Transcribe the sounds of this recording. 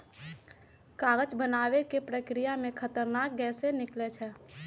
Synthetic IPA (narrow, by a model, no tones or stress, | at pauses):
kaːɡət͡ʃbənaːwekepɾəkɾijamẽkʰət̪əɾnaːk̚ɡɛːsenɪklet͡ʃʰɛ